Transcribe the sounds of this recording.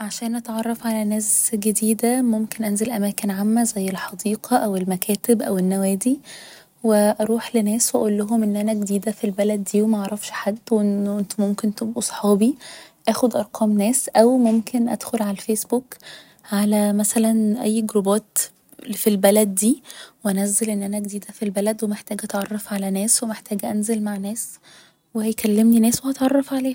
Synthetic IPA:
ʕaʃæːnʔæt̪ʕɑrˤːɑfʕalænæːsɡed̪iːd̪æmomkenʔænzælʔæmæːkenʕamːæzæjːelħɑd̪iːqʰɑʔæwelmækʰæːt̪ebʔæwenːæwæːd̪i | weʔɑɾˤuːħlenæːswʔæʔolːoɦomʔenːʔænæɡed̪iːd̪æfilbælæd̪ːiːwemæʔɑʕɾˤɑfʃħad̪ːwʔnʔent̪momkent̪obʔusˤħɑːbiʔæːxod̪ʔɑɾˤqʰɑːmnæːsʔæwmomkʰenʔæ̰d̪̥xolʕalælfeːsbuːk | ʕalæmæsælænʔæ̰jːɡɾobæːt̪ | filbælæd̪̚ːiːweʔænæzːelʔenːʔænæɡd̪iːd̪æfilbælæd̪wemeħt̪æːɡʔæt̪ʕɑrˤːɑfʕalænæːswemeħt̪æːɡʔænzelmaʕnæːs | wehæjkælːemninæːswehɑt̪ʕɑrˤːɑfʕaleːh

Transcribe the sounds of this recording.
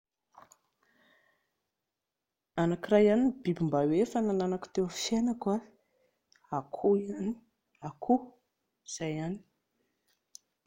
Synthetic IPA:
anakirajanibibimbawefanananaku̥t̪ewafenaka | akʰuni̥ | akʰu | iz̥ajani̥

